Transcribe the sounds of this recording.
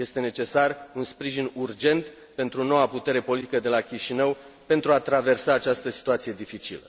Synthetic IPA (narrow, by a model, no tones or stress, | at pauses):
je̞st̪e̞ne̞t͡ʃe̞sarunspɾiʒinurd͡ʒe̞nt̪ | pe̞nt̪ɾuno̞waput̪e̞ɾe̞po̞lit̪ikəd̪e̞lakʲiʃinəw | pe̞nt̪ɾuat̪ɾave̞rsaːt͡ʃast̪əsi̥t̪uat̪sije̞d̪ifit͡ʃḭlə